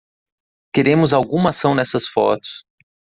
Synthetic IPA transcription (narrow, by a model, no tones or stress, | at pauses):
keɾẽmʊzawɡũmɐasɐ̃w̃nɛsɐsfɔ̰t̪ʊ̥s